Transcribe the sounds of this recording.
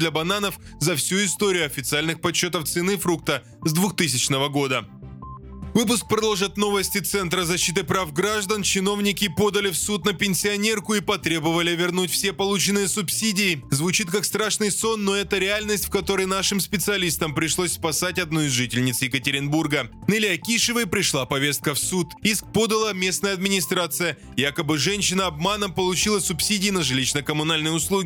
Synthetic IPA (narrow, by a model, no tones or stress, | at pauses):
d̪lʲɐbɐnanəf | zɐfsʲuɪst̪o̞ɾʲɪjʊɐfʲɪt̪sɨalʲnɨxpɐɕːo̞t̪əft̪sɨnɨfɾuk̚t̪ə | zd̪vʊxt̪ɨsʲɪt͡ɕnəvəɡo̞d̪ə | vɨpʊsk̚pɾɐd̪olˠʐɨt̪no̞vəsʲtʲɪt̪sɛnt̪ɾəzɐɕːit̪ɨpɾafɡɾaʐd̪ənt͡ɕɪno̞vnʲɪkʲɪpo̞d̪əlʲɪfsut̪nəpʲɪnʲsʲɪɐnʲe̞rkʊipɐt̪ɾʲe̞bəvəlʲɪvʲɪrnutʲfsʲe̞pɐlˠut͡ɕɪnɨjəsʊpsʲidʲɪːzvʊt͡ɕit̪kakst̪ɾaʂnɨjso̞nːo̞ɛt̪əɾʲɪalʲnəsʲtʲfkɐt̪o̞ɾəjnaʂɨmspʲɪt̪sɨɐlʲist̪əmpɾʲɪʂlˠosʲspɐsatʲɐd̪̚noɪzʐɨtʲɪlʲnʲɪt̪sjɪkətʲɪɾʲɪnburɡə | nɨlʲɪakʲiʂɨvəjpɾʲɪʂlˠapɐvʲe̞st̪̚kəfsut̪isk̚po̞d̪əlˠəmʲe̞snəjəɐd̪̚mʲɪnʲɪst̪ɾat̪sɨjə | jakəbɨʐɛnʲɕɪnəɐb̚manəmpəlˠʊt͡ɕilˠəsʊpsʲidʲɪːnəʐɨlʲiɕnəkəmʊnalʲnɨjʊslˠuɡʲɪ